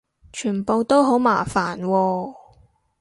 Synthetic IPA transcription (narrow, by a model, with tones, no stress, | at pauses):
t͡ʃʰyː˨˩npo˨˧wt̪o˥wɦo˨˥wmaː˨˩faː˨˩nwɔː˧